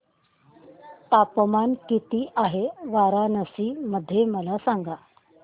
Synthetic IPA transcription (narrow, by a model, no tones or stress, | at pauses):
t̪apmankit̪iːʔaɦeʋaɾanəsiːməd̪ʱːjeməlasaŋɡa